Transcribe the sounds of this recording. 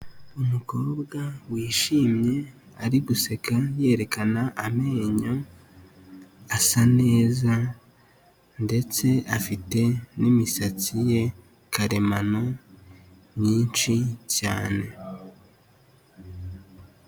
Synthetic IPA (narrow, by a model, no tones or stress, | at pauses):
umuko̞ːbɡawiːʃiːmɲe̞ | aɾiɡuse̞kʰaje̞ɾe̞kanaʔame̞ːɲo̞ | asane̞ːza | nde̞t͡se̞ʔafite̞nimisat͡sije̞ | kʰaɾe̞mano | mɲiːnt͡ʃicaːne̞